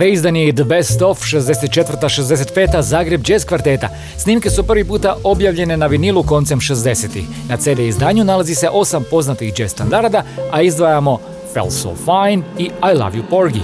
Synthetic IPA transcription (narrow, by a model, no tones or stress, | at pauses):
ɾeizd̪anijed̪əbest̪o̞fʃezd̪e̞set̪̚t͡ʃe̞t̪ʋər̩t̪aʃezd̪e̞s̬e̞t̪̚pe̞ːt̪azaːɡɾe̞bd͡ʒe̞ːskʋaɾt̪e̞ːt̪a̰ | sniːmke̞supr̩ʋipuːt̪aʔo̞bjaʋʎe̞ne̞naʋinilˠuko̞nt̪semʃezd̪e̞set̪ḭx | nat̪seːleizd̪aːɲunalazise̞ʔo̞sampo̞znat̪ixd͡ʒe̞st̪and̪aɾd̪aaizd̪ʋajamo̞ | fḛlso̰fajniajlˠa̰ʋjupo̞ɾɡḭ